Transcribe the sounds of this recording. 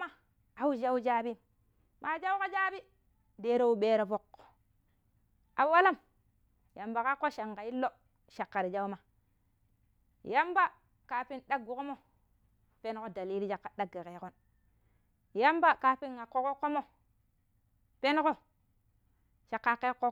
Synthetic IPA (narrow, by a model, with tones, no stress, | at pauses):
a˦ | a˨wu˦d͡ʒa˦wd͡ʒa˦bi˦ | ma˨d͡ʒa˦wko˦d͡ʒa˦bi˦ | de˨ɾo˨u˨ɓeː˨ɾo˨fo˨k | a˨˦wa˦la˦˨m | ja˨mba˨ka˦kːo˦ʃa˨ŋɡa˨i˦lːo˦ | ʃa˨kːa˨ɾi˨d͡ʒa˦u˦ma˨ | ja˦mba˦ | ka˨pi˦nɗa˦ɡu˨ko˦mo˦ | pe˦n˦ko˦da˨liː˦li˦d͡ʒa˨kːa˨ɗa˦ɡe˨ke˨ko˦n | ja˦mba˦ka˨pi˦nŋa˨kːo˦ko˦kːo˦mo˦ | pe˦n˦ko˦ | ʃa˨kːa˨kːe˦kːo˦